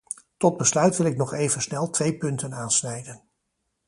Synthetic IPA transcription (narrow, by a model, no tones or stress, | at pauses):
tɔd̚bəslœɥtʋɪlɪknɔχejvənsnɛlˠtʋejpɵntənaːnsnɛjdən